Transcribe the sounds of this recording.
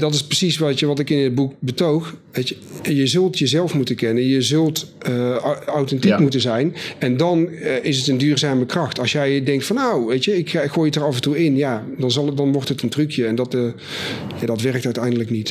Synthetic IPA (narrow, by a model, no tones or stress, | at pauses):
dɑtɪsprəsisʋɑtjəʋɑtɪkɪnəd̚buk̚bətowxʋejə | jəzɵlˠtjəzɛlˠfmutəkɛnəjəzɵlˠt | awtɛntikmutənzɛjnɛndɑnɪsətəndyːrzaːməkrɑxtɑlˠsjɛjdɛŋk̚tfɑnːowʋejtəɪkχoːjətərɑfəntuɪnjaː | dɑnzɑlˠdɑnʋɔɹtɦətəntrykjəɛndɑt | jaːdɑtʋɛrk̚tœɥtɛjndələknit